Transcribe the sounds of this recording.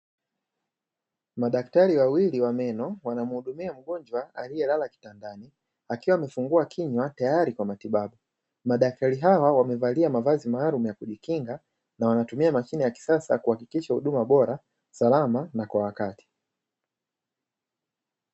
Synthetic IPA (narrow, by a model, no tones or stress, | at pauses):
maɗak̚taɾiwawiliwamɛnɔwanam̩huɗumiam̩ɡɔnd͡ʒwaalijɛlalaki̥tandani | akiwaːmɛfuŋɡuakʰiɲwatajaɾikwamatiɓaɓu | maɗak̚taɾiɦawawamɛvaliamavazimaːlumujakuʄikiŋɡa | nawanatumiamaʃinɛjaki̥sasa̰kuhakikiʃahuɗumaɓɔɾa | salamanakwawakati̥